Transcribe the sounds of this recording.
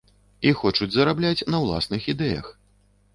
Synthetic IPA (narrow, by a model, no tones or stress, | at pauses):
ixɔt͡ʂud͡zʲzɐɾablʲat͡sʲnɐwlˠa̰snɨxid̪ɛjɐ̰x